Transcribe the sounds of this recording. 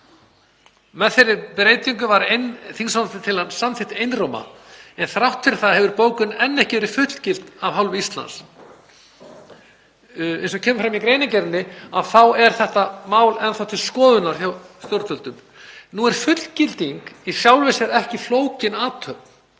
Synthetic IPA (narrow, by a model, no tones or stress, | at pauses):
mɛðθejɾɪɾpɾeːjt̪iŋkʏvaɾenθiŋsant̪ɪt̪ʰɪlhansamθɪht̪ɪejnrowma̰ɛnθɾawht̪fɪɾ̥θaðhɛvʏɾpoːwkʏnɛnːɛhcɪvɛɾɪfʏt̪l̥cɪlt̪avɦawlvʏist̪la̰ns | ḛjnsɔcʰɛːmʏfɾamikɾeːjnɪcɛɾnːɪaðθawɛɾ̥θɛht̪amaːwlɛnθawt̪ʰɪlskɔːðʏnaɾ̥θawst̪jɔɾt̪œlt̪ʏm | nuɛɾ̥fʏt̪l̥cɪlt̪iŋkisjawlvesɛɾɛhcɪfloːwcɪnaːt̪ʰœpn